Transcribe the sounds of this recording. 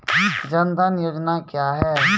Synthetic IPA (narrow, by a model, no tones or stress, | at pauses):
d͡ʒənd̪anjoːd͡ʒnakjaːɦɛː